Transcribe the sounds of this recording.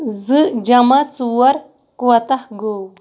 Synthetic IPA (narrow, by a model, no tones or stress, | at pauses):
zɨd͡ʒɐmɐt͡suwɐɾ | kwɐt̪ɐhɡow